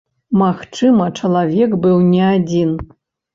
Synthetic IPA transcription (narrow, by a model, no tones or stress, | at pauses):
maxt͡ʂɨmɐt͡ʂɐlˠavʲɛkbɨwnʲɛad͡zʲin